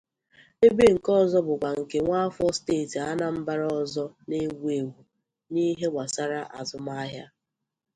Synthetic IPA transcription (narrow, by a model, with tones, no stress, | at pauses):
e˦be˦ŋ̩˨kɔ˦˨zɔ˦bʊ˨kʷa˨ŋ̩˨ke˨ŋʷa˦fɔ˦steː˦˨ta˦na˨m̩˦ba˦ɾɔ˨zɔ˦ne˦ɡʷe˨wu˨ | ni˦ɦe˦wʷa˨sa˦ɾa˦ʔa̰˨zʊ˨m˦a˦ɦja˦